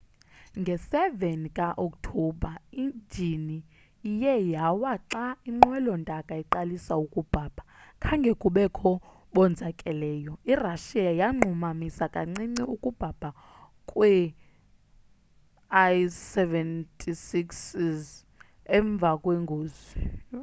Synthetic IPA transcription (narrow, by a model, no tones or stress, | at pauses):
ŋɡʱɛsɛvɛnikʼaʔok̚ʼtʰɔbʱaind͡ʒʱini | ijɛjawaǁaiŋ͡ǃwɛlɔndʼʱakʼaiǃalisaukʼub̥ʱab̥ʱakʰaŋɡʱɛkʼuɓɛkʰɔ | ɓɔnd͡zʱakʼɛlɛːjɔiraʃiajaŋ͡ǃʱumamisakʼa̰ŋ͡ǀiŋ͡ǀiukʼub̥ʱab̥ʱa | kʼwɛ | ajsɛvɛntʼʰisiksiz | ɛɱb̪vʱakʼweŋɡʱoːzi